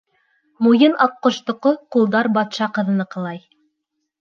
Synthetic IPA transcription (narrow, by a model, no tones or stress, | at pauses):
mujɤnʔɑqːŏʃt̪ŏqoqulˠd̪ɑɾbɑt̪ʃɑqɤ̆ðɤ̆nɤqɤ̆lˠɑj